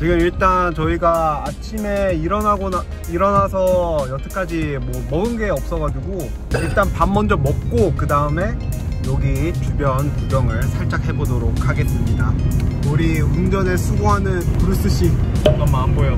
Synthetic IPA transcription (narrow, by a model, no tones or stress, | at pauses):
t͡ɕiɡɯmiɭt͈ant͡ɕʌiɡaat͡ɕʰime̞iɾʌnaɡona | iɾʌnasʰʌjʌt͈ʰɯk͈ad͡ʑimwʌmʌɯnɡe̞ʌp̚s͈ʌɡad͡ʑuɡo | iɭt͈anpanmʌnd͡ʑʌmʌp̚k͈okɯdaɯme̞jʌɡit͡ɕubjʌntubjʌŋɯɭsʰaɭt͡ɕ͈ak̚ʰebodoɾok̚ʰaɡe̞s͈ɯmɲidauɾiund͡ʑʌnesʰuɡoɦanɯnkuɾɯs͈ɯɕ͈iʌɡʌmmambojo